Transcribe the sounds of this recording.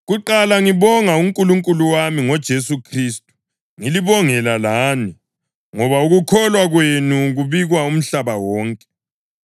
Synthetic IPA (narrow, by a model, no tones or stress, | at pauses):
ɣuǃalaŋiβɔŋauŋkʼuluŋkʼuluwamiŋɔd̥ʒ̥ʱesukʰristʼu̥ | ŋiliβɔŋɛlalaːni | ŋɔβauɣukʰɔlwaɣwenuɣuβiɣwaum̩ɬaβawɔːŋkʼɛ̥